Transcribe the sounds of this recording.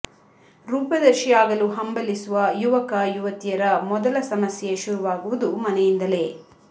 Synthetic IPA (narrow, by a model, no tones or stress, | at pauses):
ɾuːpɐd̪ɐɾʃijaːɡɐluɦɐmbɐlisuʋɐjuʋɐkɐjuʋɐt̪ijɐɾɐmɔd̪ɐlɐsɐmɐsjeʃuɾuʋaːɡuʋud̪umɐnɛjind̪ɐle̞ː